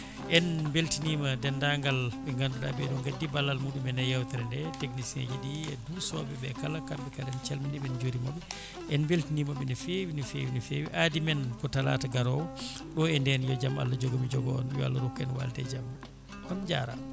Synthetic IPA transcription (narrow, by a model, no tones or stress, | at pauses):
ʔɛnbeltinimadɛndaŋɡalɓɛŋɡanduɗa̰bɛɗɔŋɡadːibalːalmuːɗumɛnajawtɛɾɛndɛteknisinḛd͡ʒɛɗiɛdusɔːɓɛɓɛkalakambɛkadɛnt͡ʃalminɛɓɛnd͡ʒoɾimaɓɛ | ʔɛnbeltiniːmaɓɛnɛfewinɛfḛwinɛfewiʔadimɛnkɔtala̰ːtaɡaɾɔwɔ | ɗɔɛndɛnjɔd͡ʒama̰lːad͡ʒɔɡomid͡ʒɔɡɔɔ̰njɔa̰lːaɾukːɛnwa̰ltɛ̰d͡ʒam | ɔnd͡ʒa̰ːɾa̰